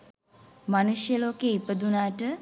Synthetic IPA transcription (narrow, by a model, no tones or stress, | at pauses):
manuʃjəloːkeːipəd̪unaːʈə